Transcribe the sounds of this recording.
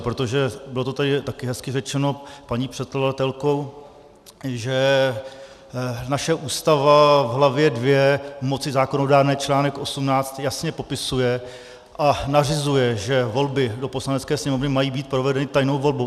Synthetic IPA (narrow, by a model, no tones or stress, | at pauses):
pɾot̪o̞ʒɛbɪlo̞t̪o̞t̪adɪt̪akɪɦɛskɪrɛt͡ʃɛno̞paɲiːpr̝̥ɛt̪̚kladat̪ɛlkow | ʒɛ | naʃɛʔuːst̪avavɦlavjɛdvjɛmo̞t͡sɪzaːkono̞daːɾnɛːt͡ʃlaːnɛkʔo̞sumnaːt͡st̪jasɲɛpo̞pɪsujɛ | ʔanar̝ɪzujɛʒɛvo̞lbɪdo̞po̞slanɛt͡skɛːsɲɛmo̞vnɪmajiːbiːt̪̚pɾo̞vɛdɛnɪt̪ajno̞wvo̞lbow